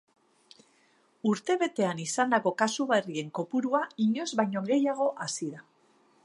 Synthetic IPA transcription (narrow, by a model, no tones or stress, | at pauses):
uɾt̪e̞βe̞t̪e̞anisand̪ako̞kasuβarie̞ŋko̞puɾuaiɲo̞zβajɲo̞ɣe̞jaɣ̞o̞ʔasiða